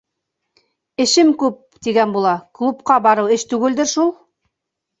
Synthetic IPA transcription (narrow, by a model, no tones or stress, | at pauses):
ɘ̆ʃɘmkʉp̚t̪iɡænbulˠɑklˠupqɑbɑɾɤwɘʃt̪ʉɡɘ̆ld̪ɘɾʃulˠ